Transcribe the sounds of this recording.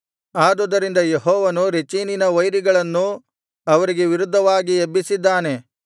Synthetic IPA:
aːd̪ɔd̪ɐɾind̪ɐjeɦɔːʋɐnuɾet͡ʃininɐʋɐjɾiɡɐɭɐnːu | ɐʋɐɾiɡe̞ʋiɾud̪ʱːɐʋaːɡiebːisid̪ːaːne̞

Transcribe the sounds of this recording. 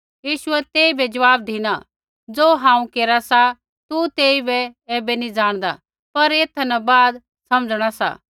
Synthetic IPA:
jiːʃʊɛt̪eːibɛd͡ʒɐʋaːb̚d̪ʱiña | d͡zoːɦãːũkeːɾasa | t̪ut̪eːibɛɛːbɛnid͡ʒaːɽ̃d̪a | pɐɾeːt̪ʰɐnɛbaːd̪ | sɐməd͡zɽ̃asa̰

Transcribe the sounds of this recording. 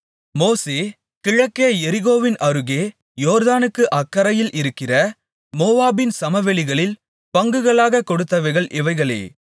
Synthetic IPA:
moːseː | kɪɻɐkːeːɛɾɪɣoːʋɪnʔɐɾɯɣeː | joːɾðaːnɯkːɯʔɐkːɐɾɐjɪlʔɪɾɯkːɪrɐ | moːʋaːbɪnsɐmɐʋɛɭɪɣɐɭɪl | pɐŋɡɯɣɐɭaːɣɐkɔɽɯt̪ːɐʋɐɪɣɐɭʔɪʋɐɪɣɐɭḛː

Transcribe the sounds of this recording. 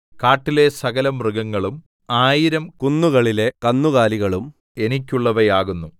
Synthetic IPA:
kaːʈːile̞sɐɣɐlɐmrɨɣɐŋːɐɭum | aːjiɾɐmkunːuɣɐɭile̞kɐnːuɣaːliɣɐɭum | e̞nikʲːuɭːɐʋɐjaːɣunːu

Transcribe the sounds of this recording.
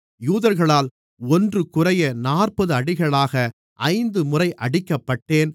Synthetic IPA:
juːðɐɾɣɐɭaːl | ɔndrɯkʊrɐjɐnaːrpɐðɯɐɽɪɣɐɭaːɣɐ | ʔɐɪnd̪ɯmʊrɐɪʔɐɽɪkːɐpːɐʈːeːn

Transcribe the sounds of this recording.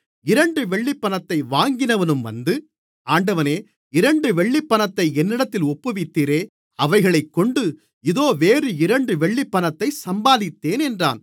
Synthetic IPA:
ɪɾɐɳɖɯʋɛɭːɪpːɐnɐt̪ːɐɪʋaːŋɡɪnɐʋɐnɯmʋɐ̰nd̪ɯ | aːɳɖɐʋɐneː | ɪɾɐɳɖɯʋɛɭːɪpːɐnɐt̪ːɐɪɛnːɪɽɐt̪ːɪlɔpːɯʋɪt̪ːiːɾeː | ɐʋɐɪɣɐɭɐɪkːɔɳɖɯ | ɪðoːʋeːrɯɪɾɐɳɖɯʋɛɭːɪpːɐnɐt̪ːɐɪsɐmbaːðɪt̪ːeːnɛndra̰ːn

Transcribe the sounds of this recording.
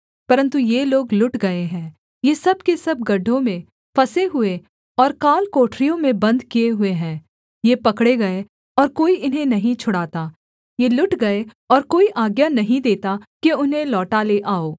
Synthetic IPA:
pɐɾə̃nt̪ujeloːɡlʊʈɡɐeɦɛ̃ː | jeːsɐbkesɐb̚ɡɐɖʱõmẽ | fʰɐseɦʊe | ɔːɾkaːlkoːʈɾijõmẽbɐ̃nd̪kijeɦʊeɦɛ̃ː | jepɐkɽeɡɐe | ɔːɾkoːiʔɪnɦẽnɐɦĩt͡ʃʰʊɽaːt̪aː | jelʊʈɡɐe | ɔːɾkoːiʔaːɡjanɐɦĩd̪eːt̪akiʊnɦẽlɔːʈaleʔaːoː

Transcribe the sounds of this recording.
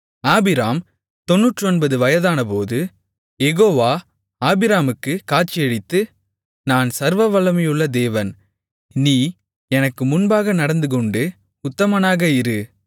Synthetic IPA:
aːbɪɾaːm | t̪ɔnːuːʈːrɯɔnbɐðɯʋɐjɐðaːnɐpoːðɯ | jɛɣoːʋaː | aːbɪɾaːmɯkːɯkaːʈt͡ʃːɪjɐɽɪt̪ːɯ | naːnsɐɾʋɐʋɐlɐmɐjɯɭːɐd̪eːʋɐn | niː | ɛnɐkːɯmʊnbaːɣɐnɐɽɐnd̪ɯkɔɳɖɯ | ʊt̪ːɐmɐnaːɣɐɪɾɯ

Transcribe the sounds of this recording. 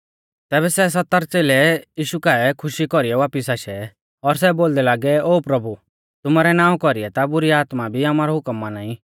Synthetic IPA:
t̪ɛːbɛsɛs̬ɐt̪ːəɾt͡seːlɛjiːʃukaɛkʰʊʃikɔɾiɛʋaːpisaːʃɛ | ɔɾs̬ɛboːld̪ɛlaːɡɛoːpɾɐbu | t̪ʊmaːɾɛnãːũkɔɾiɛt̪abʊɾiaːt̪mabʱiaːmaːɾɔɦʊkəmːanaːĩ

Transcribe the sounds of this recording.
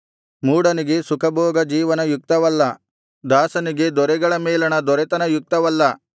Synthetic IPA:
muːɽɐniɡe̞sukʰɐbʱɔːɡɐd͡ʒiːʋɐnɐjuk̚t̪ɐʋɐlːɐ | d̪aːsɐniɡe̞d̪ɔɾɛɡɐɭɐmɛːlɐnɐd̪ɔɾɛt̪ɐnɐjuk̚t̪ɐʋɐlːɐ

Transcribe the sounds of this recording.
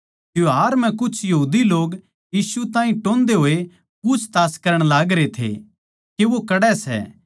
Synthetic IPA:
jjoɦaːɾmɛ̃kʊt͡ʃʰjɐɦuːd̪iloːɡ | jiːsut̪ãːĩʈõːnd̪eɦoːe | puːt͡ʃʰt̪aːskɐɾəɽ̃laːɡɾet̪ʰḛ | keʋokɐɽɛsɛ̰

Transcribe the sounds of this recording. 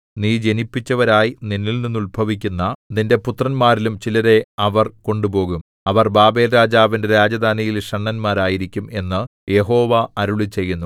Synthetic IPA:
niːd͡ʑe̞nipːit͡ɕːɐʋɐɾaːjininːilninːulbʱɐʋikʲːunːɐninde̞put̪rɐnmaːɾilumt͡ɕilɐɾe̞ɐʋɐrko̞ɳɖubo̞ːɣum | ɐʋɐrbaːbe̞ːlɾaːd͡ʑaːʋinde̞ɾaːd͡ʑɐd̪aːnijilʂɐɳːɐnmaːɾaːjiɾikʲːume̞nːɨje̞ɦo̞ːʋaɐɾuɭit͡ɕe̞jːunːu

